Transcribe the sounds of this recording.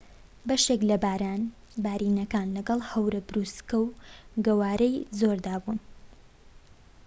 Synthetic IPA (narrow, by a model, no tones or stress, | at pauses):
bɐʃeklɐbaːɾaːn | baːɾinɐkaːnlɐɡɐlˠhɐwɾɐbɾuskɐwɡɐwaːɾɐjzo̞ɾd̪aːbun